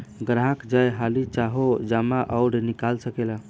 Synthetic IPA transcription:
ɡɾãkd͡ʒajɦalit͡ʃaɦod͡ʒamaʔəʊɽnikalsəkela

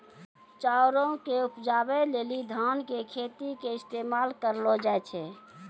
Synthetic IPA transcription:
t͡ʃaoɾõkeupd͡ʒabɛleːlid̪ʱankekʰet̪ikeɪst̪emalkəɾlod͡ʒaɛt͡ʃʰɛ

